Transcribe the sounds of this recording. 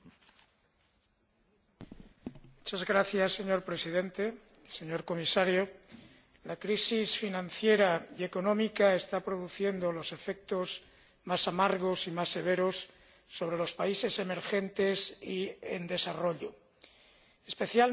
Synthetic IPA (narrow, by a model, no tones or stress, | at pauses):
mut͡ʃazɣɾaθjasːe̞ɲo̞ɾpɾe̞siðe̞nt̪e̞ | se̞ɲo̞ɾko̞misaɾjo | lakɾisisfinãnθje̞ɾaie̞ko̞nõ̞mikae̞st̪apɾo̞ðuθje̞nd̪o̞lo̞se̞fe̞k̚t̪o̞z | masamaɾɣo̞simasːe̞β̞e̞ɾo̞sː | o̞β̞ɾe̞lo̞spaise̞se̞me̞ɾxe̞nt̪e̞siḛnd̪e̞saro̞ʎo | espe̞θjal